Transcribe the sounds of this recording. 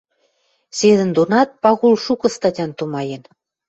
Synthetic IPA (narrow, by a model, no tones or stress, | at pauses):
sed̪ə̆nd̪onɑt̪̚pɑɣulʃukɤ̆st̪ɑtʲɑnt̪umɑjen